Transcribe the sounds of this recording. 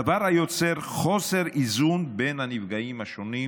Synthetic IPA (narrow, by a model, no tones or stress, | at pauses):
avaʁhajo̞t͡se̞ʁχo̞se̞ʁizunbe̞nhanivɡaimhaʃo̞ni